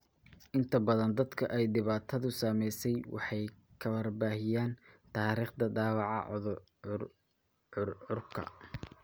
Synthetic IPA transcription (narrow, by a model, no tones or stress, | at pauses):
ʔɪnt̪ʰɐbɐðɐnd̪ɐd̪kʰɐʔɛjd̪ɪβaːt̪ʰɐðʊsamɛjsɛjwʔɑ̰ħɑjkʰɐwɐrbaːhɪjaːnt̪ʰaːɾiːχd̪ɐɖaːwɑʕɑ̰ð | ʊrʕʊrkʰɐ̰